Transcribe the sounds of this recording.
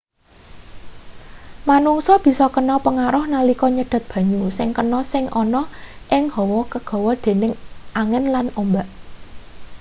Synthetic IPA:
manuŋsɔb̥i̤sɔkənɔpəŋaɾʊhnalikɔɲəɖ̪̥a̤t̪̚b̥ä̤ɲusɪŋkənɔsɪŋʔɔnɔʔɪŋhɔwɔkəɡ̥ɔ̤wɔd̪̥e̤nɪŋʔaŋɪnlanombaʔ

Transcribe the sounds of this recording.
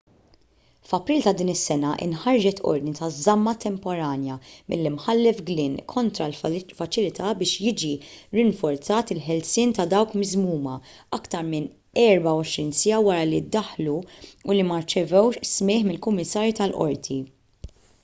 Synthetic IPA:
fɐpɾiːlt̪ɐd̪iːnɪsːɛnɐʔɪ̰nħɐɾd͡ʒɛt̪ʰɔ̰ɾd̪nit̪ɐzːɐmːɐt̪ɛmpɔɾɐːnjɐmɪlːimħɐlːɛfɡlɪːnkʰɔnt̪ɾɐlfɐt͡ʃɪlɪt̪ʰɐbɪːʃjɪːd͡ʒiɾɪɱfɔɾt͡sɐːt̪ɪlħɛlsɪːnt̪ɐd̪ɐwkmɪzmuːmɐɐkt̪ɐɾmɪn | ɛɾbɐwɔʃɾiːnsɪɐwɐɾɐlid̪ːɐħluulimɐɾt͡ʃɛvɛwʃsmɪːħmɪlkʊmːɪsːɐːɾjit̪ɐlʔɔ̰ɾt̪ʰi

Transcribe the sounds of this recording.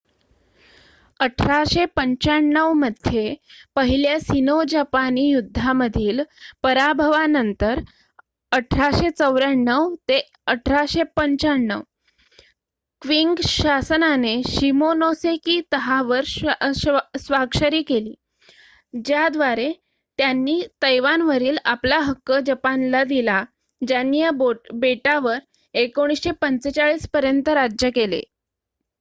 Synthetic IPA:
əʈʰɾaɕepəɲt͡ɕaɳɳːəʋməd̪ʱjepəɦiljasinod͡ʑapaniːjud̪ʱːaməd̪ʱiːlpəɾabʱəʋanənt̪əɾ | əʈʰɾaɕet͡səʋɾaɳːəʋt̪e | əʈʰɾaɕepəɲt͡ɕaɳɳːə̰ʋ | kʋiŋɡɕasnaneɕimonosekiːt̪əɦaʋəɾ | sʋaɡɕəɾiːkeliː | d͡ʑjad̪ʋaɾe | t̪janːiːt̪əjʋanʋəɾiːlaplaɦəkːəd͡ʑəpanlad̪ila | d͡ʑanːijabobeʈaʋəɾ | ekoɽ̃isɕepənt͡set͡saɭiːspəɾjənt̪əɾad͡ʑjəkelḛ

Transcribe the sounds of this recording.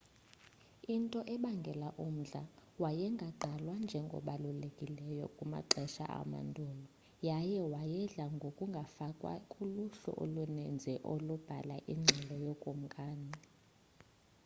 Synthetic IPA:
intʼɔʔɛɓaŋɡʱɛlaʔum̩ɮawajɛŋɡʱaǃʱalwand͡ʒʱɛŋɡʱɔ̰ɓalulekʼilɛjɔ̰kʼuma̰ǃʱɛʃa̰ʔa̰ma̰ndʱɔːlɔ | jajɛwajɛɮaŋɡʱokʼuŋɡʱafakʼwa̰kʼuluɬɔ̰ʔo̰lunɛnd͡zʱɛʔolub̥ʱa̰laʔiŋ͡ǀʱɛlɔjokʼum̩kʼaːni

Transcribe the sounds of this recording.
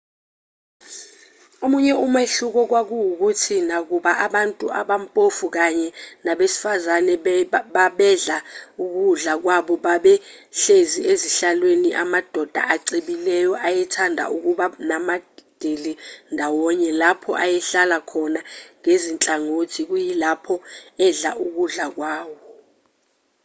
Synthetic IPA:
omuɲɛumeɬuk̬ɔk̬wak̬ujuk̬utʰinak̬uɓaʔaɓantʼuʔaɓampʼofuk̬aɲɛnaɓesi̥fazanɛɓaɓɛɮauk̬uɮak̬waɓɔɓaɓɛɬezieziɬalweniʔamad̥ʱɔd̥ʱa̰ʔaǀiɓilɛjɔʔajɛtʰandʱa̰ʔuk̬uɓanamad̥ʱelindʱawɔɲɛlapʰɔ̰ʔajɛɬalakʰɔnaŋezint͡ɬʼaŋotʰik̬ujilapʰɔɛɮaʔuk̬uɮak̬waːwɔ

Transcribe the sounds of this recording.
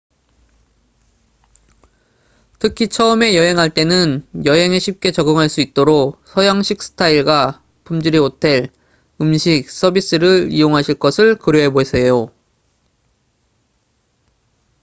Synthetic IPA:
tʰɯkʰit͡ɕʰʌɯme̞jʌɦe̞ŋɦaɭt͈e̞nɯnjʌɦe̞ŋeɕʰip̚k͈e̞t͡ɕʌɡɯŋɦaɭs͈uit̚t͈oɾoksʰʌjaŋɕʰik̚s͈ʰɯ̥tʰaiɭɡa | pʰumd͡ʑɯɾiotʰeɭ | ɯmɕʰik̚s͈ʌbis͈ɯɾɯɭijoŋɦaɕʰiɭk͈ʌsʰɯɭkɯɾjoɦe̞bosʰejo

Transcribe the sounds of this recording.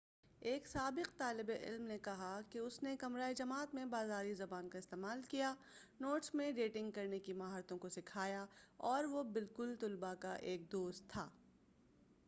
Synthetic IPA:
eːksaːbɪqt̪aːlɪbeʔɪ̰lmnekɐɦakeʊsnekɐmɾaːid͡ʒɐmaːt̪mẽbaːzaːɾizɐbaːnkaɪst̪eːmaːlkija | noːʈsmẽɖeːʈɪ̃ŋɡ̚kɐɾnekimɐɦaːɾt̪õkosɪkʰaːjaɔːɾʋobɪlkʊlt̪ʊlbakaʔeːk̚d̪oːst̪ʰːa̰ː

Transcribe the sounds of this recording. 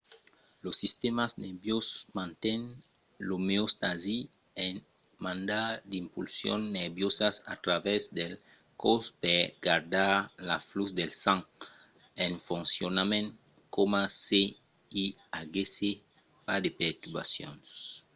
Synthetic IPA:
losːist̪emaznebjosmãnt̪ɛn | lomeost̪azi | eŋ | mãnd̪aɾd̪impulsjo̰nːeɾbjosasa̰t̪ɾavɛzd̪el | kospeɡaɾd̪aɾlafluz̬d̪elsãŋ | enfunsjonamẽn | komase | i | aɡese | pad̪epeɾt̪uɾβa̰sjo̰ns

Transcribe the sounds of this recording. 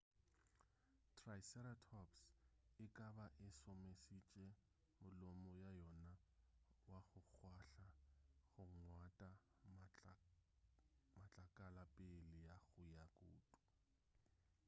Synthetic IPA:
tʰraisɛɾatʰɔpsɪkʼabaʔɪsɔmesit͡ʃʼɛ | mʊlɔmɔjajɔna | waɣʊk͡xʰwaɬaɣʊŋŋwatʼa | mat͡ɬʼakʼalapʼɪlɪjaɣʊjakʼoːtʼu̥

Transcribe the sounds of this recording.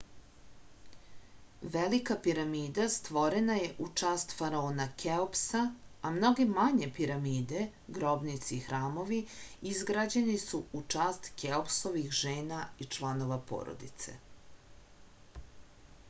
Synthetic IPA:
ʋelikapiɾamiːd̪ast̪ʋo̞ɾenaje̞ʔut͡ʂaːst̪faɾaoːnakʰeopsaːmno̞ɡemaɲe̞piɾamiːd̪e̞ | ɡɾo̞bnit̪sixɾaːmo̞ʋiizɡɾad͡ʑe̞nisuut͡ʂaːst̪keopso̞ʋixʒeːnait͡ʃlˠano̞ʋapo̰ːɾo̰d̪ḭt̪se̞̰

